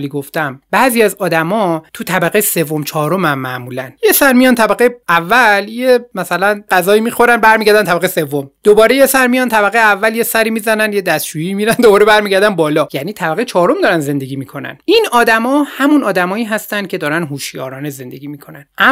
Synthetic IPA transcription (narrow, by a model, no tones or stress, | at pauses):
liɡo̞ft̪æmbæːziːæzɒːd̪æmɒːt̪ʰut̪ʰæbæɣejse̞vːo̞mt͡ʃʰɒːɾo̞mæmːæʔmuːlænje̞sæɾmijɒːnt̪ʰæbæɣeævːæljemæsælænɢæzɒːiːmiːxo̞ɾænbæɾmiːɟæɾd̪ænt̪ʰæbæɣejse̞vːomd̪̥obɒːɾe̞je̞sæɾmijɒːnt̪ʰæbæɣejeævːælje̞sæɾiːmiːzænænje̞d̪æst̪t͡ʃujiiːmiːɾænd̪obɒːɾe̞bæɾmiːɟæɾd̪ænbɒːlɒːjæːniːt̪ʰæbæɣe̞jet͡ʃʰɒːɾomd̪ɒːɾænze̞nd̪e̞ɡiːmiːkʰo̞næ̰ninɒːd̪æmɒːhæmunɒːd̪æmɒːiːɦæst̪ænd̪̥̚cʰe̞d̪ɒːɾænɦuːʃjɒ̰ːɾɒːneze̞nd̪e̞̰ɡiːmiːkʰo̞nænʔæ